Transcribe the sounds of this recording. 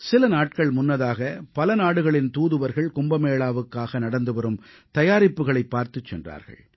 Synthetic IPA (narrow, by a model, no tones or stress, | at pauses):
sɪlɐnaːʈ̚kɐɭmʊnːɐðaːɣɐpɐlɐnaːɽɯɣɐɭɪnt̪uːðɯʋɐɾɣɐɭkʊmbɐmeːɭaːʋɯkːaːɣɐnɐɽɐnd̪ɯʋɐɾɯm | t̪ɐjaːɾɪpːɯɣɐɭɐɪpːaːɾt̪ɯt͡ʃːɛ̰ndra̰ːɾɣɐ̰ɭ